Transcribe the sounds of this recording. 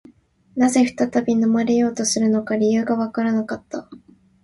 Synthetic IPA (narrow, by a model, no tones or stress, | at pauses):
naze̞ɸɯ̟̥t̪at̪abʲino̞maɾe̞jo̞ːt̪o̞sɨɾɯ̟no̞kaɾʲijɯ̟ːɡaβakaɾanakat̪ːa